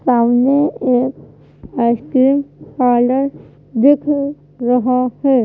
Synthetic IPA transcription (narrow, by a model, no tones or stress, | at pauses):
saːmneeːk | aɪskɾiːmpaːləɾ | d̪ɪkʰ | ɾəɦahɛː